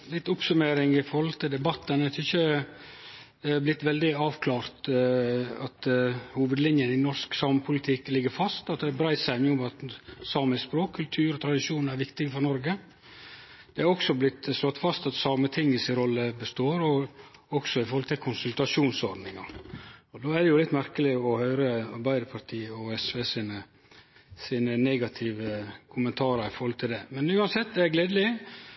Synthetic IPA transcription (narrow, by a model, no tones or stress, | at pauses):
lɪt̪ːʊpsʉmeːɾɪŋɪfɔɾhɔlt̪ʰɪld̪ɛbɑt̪ːənæt̪çə | blɪt̪ːʋɛld̪ɪɑːʋkʰlɑːɾt̪ | ɑt̪huːʋəd̪lɪnjənɪnɔɾsksɑːməpʰʊlɪt̪ʰɪklɪɡːəɾfɑst̪ɑt̪̚d̪ɛːbɾæɪsæɪnuːʊmɑt̪sɑːməspɾoːkʰːʉlt̪ʰʉːɾɔt̪ʰɾɑd̪ɪʂuːnæɾʋɪkt̪ɪɡfɔɾnɔɾɡə | d̪̥ɛɑɾɔksɔblɪt̪slɔt̪ːfɑst̪ɑt̪sɑːmət̪ʰɪŋːəsɪnɾɔlːəbəst̪oːɾɔɔksɔɪfɔɾhɔlt̪ʰɪlkʰʊnsʉlt̪ɑʂuːnsɔɾɖ̪nɪŋɑɔd̪oːæd̪ɛjʊlɪt̪ːmæɾkəlɪɔhœʏɾəɑɾbæɪd̪əpʰɑɾt̪ʰiːɔɛsʋesɪːnə | siːnənɛɡɑt̪ʰɪʋəkʰʊmənt̪ʰɑːɾɑɾɪfɔɾhɔlt̪ʰɪld̪ɛmɛnʉːɑnsɛt̪ːd̪ɛæɡleːd̪əlɪ